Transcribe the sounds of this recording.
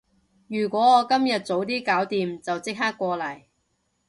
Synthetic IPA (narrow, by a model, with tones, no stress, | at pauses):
jyː˨˩kʷɔː˨˥ɔː˨˧kɐ˥mjɐ˨t̚t͡so˨˥wt̪iː˥kaː˨˥wt̪iː˨mt͡sɐ˨wt͡sɪ˥k̚ɦaː˥kːʷɔː˧lɐ˨˩j